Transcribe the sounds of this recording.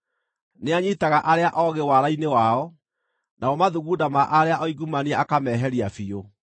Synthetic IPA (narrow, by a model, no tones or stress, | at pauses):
neaɲitaɣaʔaɾeaʔɔɣewaɾainewaɔ | naɔmaðuɣuːdamaʔaɾeaʔɔiɡumaniɛakamɛɦɛɾiafio